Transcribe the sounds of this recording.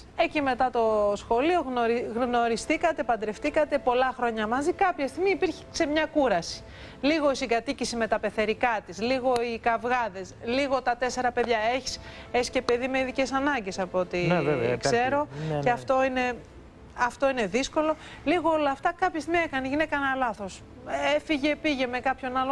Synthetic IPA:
ecime̞t̪ɐt̪o̞sxo̞lio̞ɣnoɾɣno̞ɾist̪ikɐt̪e̞pɐnd̪ɾe̞ft̪ikɐt̪e̞po̞lɐxɾo̞ɲɐmɐzikɐpçɐst̪iɣmiːpiɾçe̥se̞mɲɐkuɾɐsi̥ | liɣo̞isiɡɐt̪icisime̞t̪ɐpe̞θe̞ɾikɐt̪isliɣo̞ikɐvɣɐðe̞sliɣo̞t̪ɐt̪e̞se̞ɾɐpe̞ðʝɐe̞çi̥s | e̞çisce̞pe̞ðime̞iðice̞sɐnɐɲɟe̞sɐpot̪ivvkse̞ɾo̞ceɐft̪o̞ine̞ | ɐft̪o̞ine̞ðisko̞lo̞ | liɣoolɐːft̪ɐkɐpçɐst̪imiekɐneʝinekɐnɐlɐθo̞s | e̞fiʝe̞piʝe̞me̞kɐpço̞nɐlo

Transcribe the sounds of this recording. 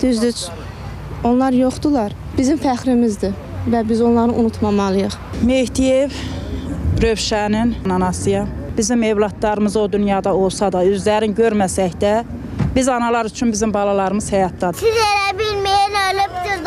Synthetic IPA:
d̪̥yzd̪yt͡ʃ | o̞nlˠɑɾjoχd̪ulˠɑɾ | b̥izimfæχɾimizd̪i | væbizo̞nlˠɑɾɯʔunut̪ʰmɑmɑlˠɯjɯχmehd̪ijev | ɾøvʃæninnɑnɑsɯjɑ | b̥izime̞vlˠɑt̪lˠɑɾɯmɯzod̪ynjɑd̪ɑo̞lˠsɑd̪ɑøzlæɾinɟøɾmæsæçd̪æ | bizɑnɑlˠɑɾyt͡ʃʰynbizimbɑlˠɑlˠɑɾɯmɯzhæjɑt̪̚d̪ɑd̪izeɾæbilmejnølipt̪y

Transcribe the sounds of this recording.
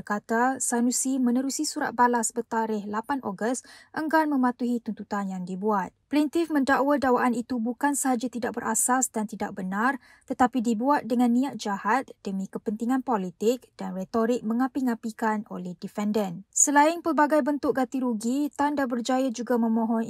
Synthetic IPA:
bərkat̪asanũsimə̃nəɾusisuɾa̰t̪̚balasbət̪aɾɪhlapanʔo̰ɡəst̪ʔəŋɡanmə̃mat̪uɦit̪unt̪ut̪anjaŋdibuat̪̚plint̪ɪfmə̃ndaʔwadawaʔanit̪ubukansəɦad͡ʒat̪idak̚bəɾʔa̰sasdant̪ida̰ʔk̚bənar | t̪ət̪apidibuat̪̚dəŋãnːĩat̪̚d͡ʒahat̪̚d̥əmĩkəpənt̪iŋãnpolit̪ɪk̚d̥anret̪oɾɪk̚mə̃ŋapiŋãpikano̰lɛhdifɛndənsəlaɪnpərbaɡajbənt̪ʊk̚ɡat̪iɾuɡit̪andabərd͡ʒajad͡ʒuɡamə̃mõɦɔ̃n

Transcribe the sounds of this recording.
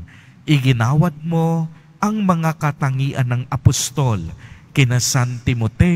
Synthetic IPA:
ʔɪɡɪnaːwɐd̪̚mo | ʔɐŋmɐŋakɐt̪ɐŋiːʔɐnːɐŋɐpost̪olkɪnɐsant̪ɪmot̪ɛ

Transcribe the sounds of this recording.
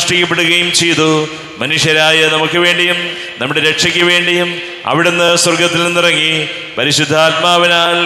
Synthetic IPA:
ʂʈikʲːɐp̬ːeɽuɣɐjumt͡ɕejt̪u | mɐnuʂjɐɾaːjɐnɐmukːɨʋe̞ːɳɖijum | nɐmːuɽeɾe̞kʂɐkʲːɨʋe̞ːɳɖijum | ɐ̰ʋiɽenːɨswɐrɡɐt̪ːilnenːurɐŋːi | pɐɾiɕud̪ʱːaːt̪̚maːʋinaːl

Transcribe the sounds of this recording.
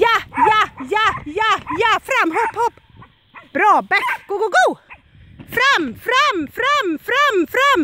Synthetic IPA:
jajajajajafɾamːɦɔphɔpː | b̥ɾɑːbɛkɡ̥oɡoɡo | fɾamfɾamfɾamfɾamfɾam

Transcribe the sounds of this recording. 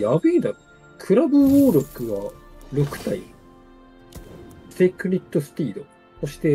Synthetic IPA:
jabɯ̟ind̪a | kʰɯ̟ɾabɯ̟oːɾʲo̞kɯ̟ɡaɾo̞kɯ̟̥t̪ai | sekɯ̟ɾʲit̪ːo̞sɨ̥pʲiːd̪o̞ | soɕi̥t̪e̞

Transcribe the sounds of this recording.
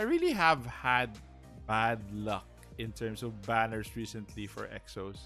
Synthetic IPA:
ajɹiliɦævhæd̪̚ | bæd̪lʌk̚ | ʔɪ̃nt̪ʰɛɹmsɔvbænəɹsɹisɛ̃nt̪ʰlifɔ̰ɹʔɛ̰ksos

